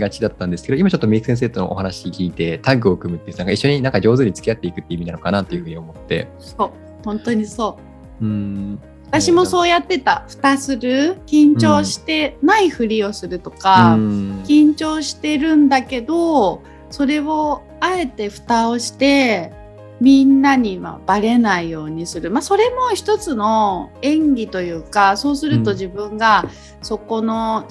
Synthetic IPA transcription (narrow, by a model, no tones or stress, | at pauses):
ɡat͡ɕid̪at̪ːãnd̪esɨ̥kedoimat͡ɕo̞t̪ːomʲikɯ̟sẽ̞s̬eːt̪ono̰ʔohanaɕikʲiːt̪e̞t̪aɡɯ̟o̞ɯkɯ̟mɯ̟t̪ːenãŋkaiɕːo̞ɲ̟inãŋkad͡ʑo̞ːzɨɲ̟it͡sɨ̥kʲijat̪ːe̞ikɯ̟t̪ːe̞imʲinanokanat̪ːe̞jɯ̟ɸɯ̟ːɲio̞mo̞t̪ːe̞̰ | so̞ː | hõ̞nt̪o̞ɲ̟iso̞ː | ɯ̟̃ɴ | βat̪aɕimo̞so̞ːjat̪ːe̞t̪aɸɯ̟̥t̪asɨɾɯ̟kʲĩɲ̟t͡ɕo̞ːɕi̥t̪e̞naiɸɯ̟ɾʲio̞sɨɾɯ̟t̪o̞kakʲĩɲ̟t͡ɕo̞ːɕi̥t̪e̞ɾɯ̟̃nd̪ake̞d̪o̞ | so̞ɾe̞o̞ | ae̞t̪e̞ɸɯ̟̥t̪aoɕi̥t̪e̞ | mʲĩnːaɲ̟iβa̰baɾe̞naijo̞ːɲ̟isɨɾɯ̟maso̞ɾe̞mo̞çi̥t̪o̞t͡sɨno̞ẽ̞ŋɡʲit̪o̞jɯ̟ːkaso̞ːsɨɾɯ̟t̪o̞ʑibɯ̟̃ŋɡa | so̞ko̞no̞